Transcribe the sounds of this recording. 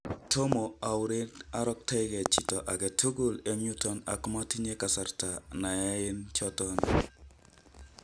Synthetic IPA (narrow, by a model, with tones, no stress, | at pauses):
tʰo˦mo˨a˨ʊ˦ɾɪ˦da˦ɾɔ˦k̚tɛ˦ɡɛ˨t͡ʃi˨tɔ˨ʔa˨ɡɛ˨tʰu˦ɡo˦le˨ɲu˦tɔ˦na̰˨kma˦ti˦ɲe˦ka˨sa˨rta˨na˨a˦ɪ˦nt͡ʃɔ˦tɔ˦n